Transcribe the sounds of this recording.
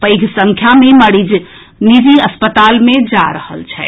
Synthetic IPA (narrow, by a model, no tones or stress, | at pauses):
pəɪɡʱsə̃ŋkʰjameməɽid͡ʒ | nid͡ʒiəspət̪almed͡ʒaɾəhə̰lt͡ʃʰɛ